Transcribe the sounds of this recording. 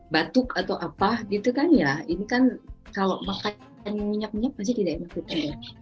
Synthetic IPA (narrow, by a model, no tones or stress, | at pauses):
bat̪ʊkat̪awʔapaɡit̪ukanjainikankaloʔmaka | nmiɲak̚miɲak̚mas̬iht̪idaʔimakut̪anda